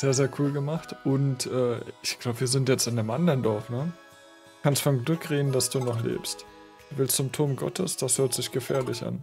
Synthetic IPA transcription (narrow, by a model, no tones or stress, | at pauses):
z̥eːɐzeːɐkʰuːlɡəmaχtʔʊntʔɛːɪçɡ̥laʊbəviːɐzɪntjɛt͡stɪndemʔandɐʁndɔɐfnə | kʰanstfɔnɡlʏkʁeːdn̩dasd̥uːnɔχlḛːpst | d̥uvɪlstʊmtʰʊɐmɡɔ̰tʰəsd̥ashøːɐtz̥ɪçɡ̥əfɛ̰ːɐlɪçʔa̰n